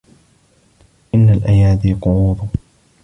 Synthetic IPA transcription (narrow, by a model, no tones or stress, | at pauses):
ʔɪnːalʔajaːd̪iːqʊʕuːd̪ˤʊ